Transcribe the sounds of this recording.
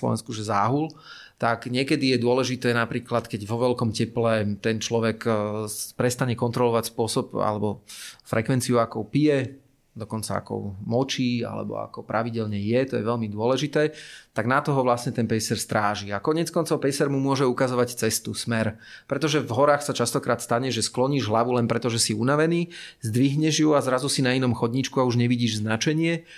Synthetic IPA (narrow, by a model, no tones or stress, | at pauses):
slɔ̰ʋɛ̰nskuʒɛza̰ːɦul | t̪akɲɪɛkɛd̪ijɛd̪ʊɔlɛʒit̪ɛːnapɾiːklat̪kɛɟʋɔʋɛlkɔmcɛplɛt̪ɛnt͡ʃlɔʋɛkː | pɾɛst̪aɲɛkɔnt̪ɾɔlɔʋacspʊɔsɔpa̰lɛbɔfɾɛkʋɛnt͡siuakɔʊpijɛ | d̪ɔkɔnt͡sa̰a̰kɔ̰ʊmɔt͡ʃiːa̰lɛ̰bɔ̰a̰kɔpɾʔaʋiɟɛlɲɛjɛt̪ɔjɛ̰ʋɛlmid̪ʊɔlɛʒit̪ɛːt̪aɡnat̪ɔɦɔʋlasɲɛt̪ɛnpɛsɛɾst̪ɾaːʒiakɔɲɛt͡skɔnt͡sɔʊpɛsɛɾmumʊɔʒɛukazɔʋact͡sɛst̪usmɛɾ | pɾɛt̪ɔʒɛvɦɔɾaːxsat͡ʃast̪ɔkɾaːt̪st̪aɲɛʒɛsklɔɲiːʒɦlaʋulɛnpɾɛt̪ɔʒɛsiunaʋɛniːzd̪ʋiɦɲɛʒjuazɾazusinainɔmxɔd̪ɲit͡ʃkuauʒɲɛʋiɟiːʒznat͡ʃɛɲɪɛ